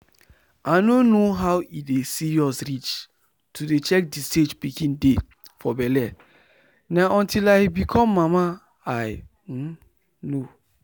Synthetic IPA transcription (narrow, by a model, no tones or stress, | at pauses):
anonoɦawidesiɹɔsɹit͡ʃ | tʰudet͡ʃɛk̚disted͡ʒpikĩnde | fɔbɛlɛ | nãʔɔ̃ntilaɪbikʰɔ̃mːama | aj̩ | no